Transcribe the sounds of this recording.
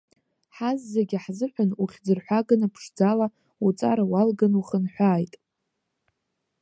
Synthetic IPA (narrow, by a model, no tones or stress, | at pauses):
ħazːaɡʲaħzɨħʷᶣanuχʲd͡zɨrħʷaɡanɨpʰʂd͡zala | ut͡sʼaɾawalɡanuχənħʷᶣaːjtʼ